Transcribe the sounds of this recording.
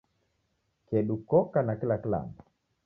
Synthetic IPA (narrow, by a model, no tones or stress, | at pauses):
kedukɔkanakilakla̰n